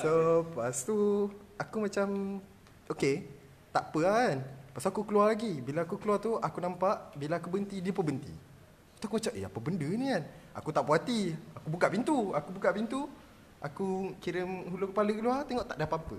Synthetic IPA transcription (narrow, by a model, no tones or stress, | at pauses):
sopast̪u | akumãt͡ʃam | ʔoke | t̪aʔpəaanpasaakukəlualaɡibilaːkukəluat̪uʔakunampaʔbilaːkubənt̪idiəpəbənt̪ḭ | at̪uakuat͡ʃaʔʔḛa̰pəbəndənĩana̰kut̪aʔpuɦat̪iakubukaʔpint̪uakubukaʔpint̪u | ʔakukiɾənhulukə̥paləkəluat̪eŋɔʔt̪aʔdapapə̰